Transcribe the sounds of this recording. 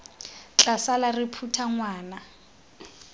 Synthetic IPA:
t͡ɬʼasalarɪpʰutʰaŋwaːna

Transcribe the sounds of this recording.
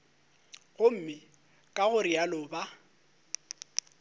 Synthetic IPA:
ɣʊm̩mɪ | kʼaɣʊrialʊːba

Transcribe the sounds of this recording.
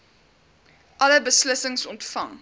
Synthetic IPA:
ʔɐləbəsləsəŋsɔntfɐ̰ŋ

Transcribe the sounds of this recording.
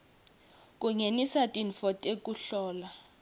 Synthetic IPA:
k̬ʼuŋenisatʼinfɔtʼekʼuɬɔːla

